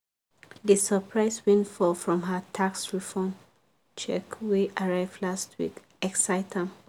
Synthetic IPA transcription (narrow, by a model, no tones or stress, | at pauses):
dəsəpʰɹaɪswɛ̃ntfɔfɹɔ̃mɦətʰaksɹifɔm | t͡ʃɛ̰kweʔaɹaɪvdlastwḭk | ɛksaɪtʰãm